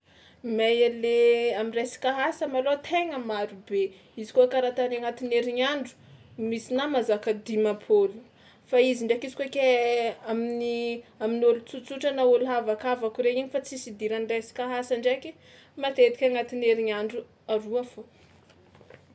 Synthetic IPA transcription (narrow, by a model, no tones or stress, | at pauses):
majaleamirasi̥kaɦasəmalot̪ʰeŋəmaɾube | izi̥kokaɾat̪anaŋat̪ineɾiɲaɳɖ͡ʐu̥ | misinamazakəd̪imapʰolu | faiziɳɖ͡ʐakizi̥kokʲeaminiaminolut͡sut͡suʈ͡ʂanauluɦavakavakʲuɾeiɲifat͡sisid̪iɾanirasi̥kaɦasaɳɖ͡ʐeki | mat̪ed̪ikʲaŋat̪ineɾiɲaɳɖ͡ʐu | aɾuafo